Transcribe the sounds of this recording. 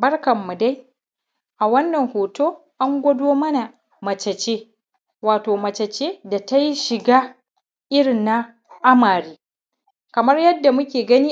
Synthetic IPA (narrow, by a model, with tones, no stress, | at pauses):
bɐ˦rkɐ˨mːu˨da˦j | ʔa˨wɐ˦nːɐ˨ŋhoː˨toː˦ | ʔa˦ŋɡʷɐ˦doː˦mɐ˦na˨ | mɐ˨t͡ʃɐ˨t͡ʃeː˦ | waː˨toː˨mɐ˨t͡ʃɐ˨t͡ʃeː˦da˨ta˦ji˦ʃɪ˨ɡaː˦ | ʔɪ˦ɽɪ˨nːa˦ | ʔa˦maː˨ɾiː˦ | kɐ˨mɐ˦rjɐ˦dːa˨mʊ˦kʲeː˨ɡɐ˦niː˦